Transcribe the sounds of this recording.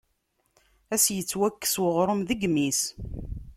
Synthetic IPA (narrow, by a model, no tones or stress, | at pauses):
æsjət͡sːwækːə̥swəʁɾˤəmðəɡmis